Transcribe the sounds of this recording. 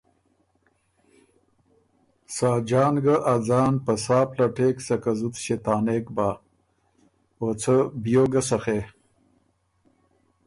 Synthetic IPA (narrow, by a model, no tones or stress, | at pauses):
saːd͡ʒaːnɡaʔad͡zaːnpəsaːplaʈeːksɐkazut̪ɕet̪aːneːkbaː | ot͡sʰəbjoːɡɐsɐxeː